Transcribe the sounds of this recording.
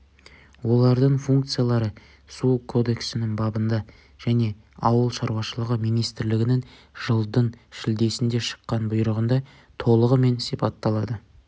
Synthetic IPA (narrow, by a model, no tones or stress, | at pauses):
wo̞lˠɑɾd̪əɴfuŋkt̪sɨjalˠɑɾə | sukʰo̞d̪e̞ksɪnɪŋbɑbənd̪ɑ | ʒ̥æne̞ | ɑwəlˠʃɑɾwɑʃəlˠəʁəmijnijst̪ɪɾlɪɡʲɪnɪŋʒ̥əlˠd̪ənʃɪld̪e̞sɪnd̪e̞ʃə̥qːɑnbʊjɾəʁənd̪ɑ | t̪ʰo̞lˠəʁəme̞nsijpɑt̪ːɑlˠɑd̪ə